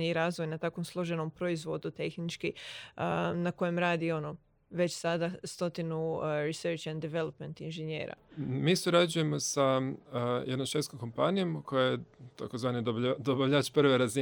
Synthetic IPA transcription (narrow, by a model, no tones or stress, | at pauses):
iɾaːzʋo̞jnat̪aːkʋo̞mslˠo̞ʒenompɾo̞izʋo̞d̪ut̪e̞xnit͡ʃki | nako̞je̞mɾaːd̪io̞no | ʋe̞t͡ɕsad̪ast̪o̞t̪inuɾiseɾt͡ʃand̪eʋe̞lˠopment̪inʒenjḛːɾa̰misuɾad͡ʒuje̞mo̞sa | jed̪nomʃet̪skomko̞mpanijo̞mkʰo̞jajet̪akozʋaːnid̪obd̪obaʋʎat͡ʃpr̩ʋeɾazi